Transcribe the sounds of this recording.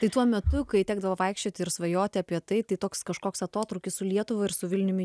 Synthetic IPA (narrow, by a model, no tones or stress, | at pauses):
t̪ɐɪt̪uɔmʲɛt̪ʊkɐɪt̪ʲæːɡ̚d̪ɐʋɐʋɐɪkʃʲt͡ʃʲoːt̪ʲɪɪɾsʋɐjoːt̪ʲɪɐpʲiɛt̪ɐɪt̪ɐɪt̪oːkskɐʃkoːksɐt̪oːt̪ɾʊːkʲɪssʊlʲiɛt̪ʊʋɐɪɾsʊʋʲɪlʲnʲʊmʲɪ